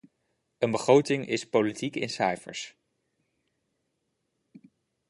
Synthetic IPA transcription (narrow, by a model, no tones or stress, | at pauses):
ənbəχrowtɪŋʔɪspolitikɪ̰nsajfə̰ɹs